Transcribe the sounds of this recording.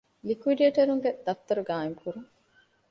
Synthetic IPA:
likuʋiɖieʈɐɾuŋɡed̪̥ɐft̪ːɐɾuɡaːemkuɾuŋ

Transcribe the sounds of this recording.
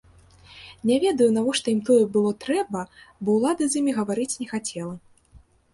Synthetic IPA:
nʲavʲɛd̪ɐjun̪avɔʂt̪ɔjimt̪ɔjɛbɨlˠɔt̪ɾɛbɐbɔwlˠad̪ɨzʲjimʲiɣɐvaɾɨt͡sʲnʲɛxat͡sʲɛlˠɐ

